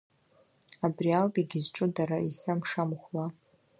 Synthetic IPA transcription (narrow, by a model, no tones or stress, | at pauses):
abrialpʼiɡʲɪzʈ͡ʂʼʊdaɾaiχʲamʂamχʷla